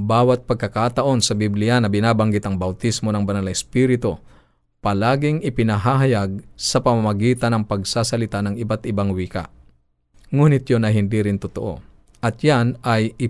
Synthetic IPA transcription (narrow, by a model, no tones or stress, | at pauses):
baːwɐt̪̚pɐɡ̚kɐkat̪ɐʔo̞nsɐbɪblɪjanɐbɪnaːbɐŋɡɪt̪ɐŋbɐwt̪ismo̞nɐŋbɐnalɐɛspiɾɪt̪o | pɐlaːɡɪŋɪpɪnɐɦaɦɐjaɡ̚sɐpɐmamɐɡiːt̪ɐnɐŋpɐɡsasɐlɪt̪anɐŋɪbat̪ɪbaŋwiːka̰ʔ | ŋuːnɪt̪jonɐɦɪnd̪iɾɪnt̪ʊt̪oʔo̞̰ | ʔɐt̪̚janɐjɪ